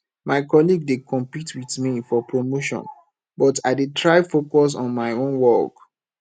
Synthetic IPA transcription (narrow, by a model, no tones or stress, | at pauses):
maɪkɔliɡ̚dekʰɔ̃mpitwiθmifɔpʰɹomoʃɔ̰̃n | bɔtaɪdetʰɹaɪfokɔs̬ɔ̰̃nmaɪõnwɔk